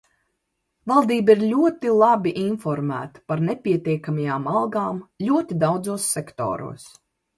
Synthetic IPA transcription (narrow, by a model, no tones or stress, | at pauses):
valˠd̪iːbiɾlʲuɔt̪ilˠabiʔinfɔɾmæ̰ːt̪ḁpaɾnepʲiɛt̪ʲiɛkamajaːmalˠɡaːmlʲuɔt̪id̪awd̪zuɔsːɛkt̪ɔ̰ːɾṵɔs